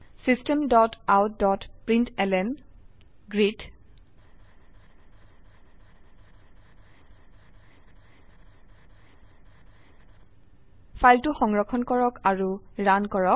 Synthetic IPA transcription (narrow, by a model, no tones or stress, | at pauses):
sistɛmdɔtawtdɔtpɹintɛlɛn | ɡɹit | pʰajltuxɔŋɹɔkʰɔnkɔɹɔkaɹuɹankɔɹɔk